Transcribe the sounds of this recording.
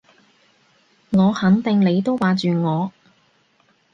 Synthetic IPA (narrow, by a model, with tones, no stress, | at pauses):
ŋɔː˨˧hɐ˨˥nt̪ɪ˨ŋle˨˧jt̪o˥wwaː˨˧t͡ʃyː˨˧ŋɔː˨˧